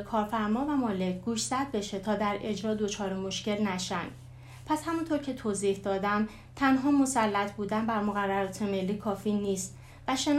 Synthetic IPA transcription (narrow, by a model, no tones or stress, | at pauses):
kʰɒːɾfæɾmɒːvæmɒːle̞cʰɡuːʃz̥æd̪̚be̞ʃe̞t̪ʰɒːd̪æɾe̞d͡ʒɾɒːd̪o̞t͡ʃʰɒːɾemo̞ʃce̞lnæʃænd̪̥ | pʰæshæmunt̪ʰo̞ɾcʰe̞t̪ʰoːziːhd̪ɒːd̪æm | t̪ʰænɦɒːmo̞sælːæt̪ʰbuːd̪ænbæɾmoɣærːæɾɒːt̪ʰe̞me̞lːiːkʰɒːfiːniːst̪ | væʃe̞n